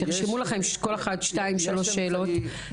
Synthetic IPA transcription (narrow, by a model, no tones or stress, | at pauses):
eʁʃimulaχe̞mʃko̞leχadʃtaimʃalo̞ʃe̞ːlo̞t